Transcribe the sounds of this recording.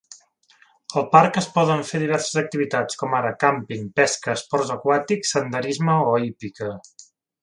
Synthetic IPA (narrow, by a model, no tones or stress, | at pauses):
əlˠpaɾkəspɔðəɱfeðiβ̞ɛɾsəzək̚t̪iβit̪at͡skɔmaɾəkampiŋpɛskəːspɔɾzəkwat̪iksənd̪əɾizməoipikə